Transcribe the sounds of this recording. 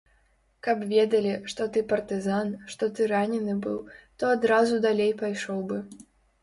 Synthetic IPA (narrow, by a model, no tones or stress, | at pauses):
kapvʲɛd̪ɐlʲiʂt̪ɔt̪ɨpɐrt̪ɨzanʂt̪ɔt̪ɨɾanʲɛnɨbɨwt̪ɔad̪ɾazud̪alʲejpajʂɔwbɨ